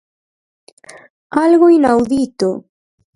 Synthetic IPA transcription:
alɣoinawðit̪o

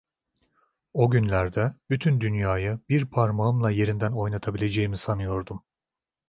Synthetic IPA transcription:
o̞ɟynlʲæɾd̪ɛbyt̪ʰynd̪ynjaːjabiɾpʰaɾmaɯmlˠaje̞ɾind̪æno̞jnat̪ʰabilʲe̞d͡ʒe̞jimisanɯjo̞ɾd̪um

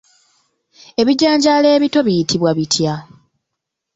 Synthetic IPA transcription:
e̞βiɟaːɲɟale̞ːβito̞βijitʰiβwaβitʰja

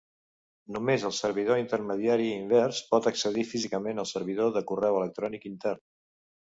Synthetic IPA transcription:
numezəlˠsəɾβ̞iðoint̪ərməðiaɾiːmbɛrspɔt̪əksəðifizikəmenəlˠsəɾβ̞iðoðəkurɛwələk̚t̪ɾɔnikint̪ɛrn

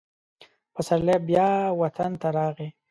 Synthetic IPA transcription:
pəsallebjɑwat̪ʰant̪aɾɑɣe

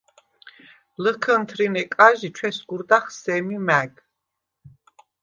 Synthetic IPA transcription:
ləkʰənt̪ʰɾinɛkʼaʒit͡ʃʰwɛsɡuɾd̪aχsɛmimæɡ

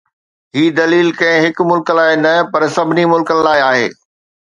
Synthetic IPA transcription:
ɦiːd̪ɐliːlkɐ̃ɦɪ̃ɦɪkmʊlklaːɪnɐpɐɾsɐbʱɪnimʊlkənɪ̆laːɪaːɦḛː

